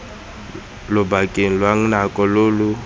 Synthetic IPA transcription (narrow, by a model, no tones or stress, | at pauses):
lʊbakʼeŋ̩lwaŋ̩nakʼɔloːlʊ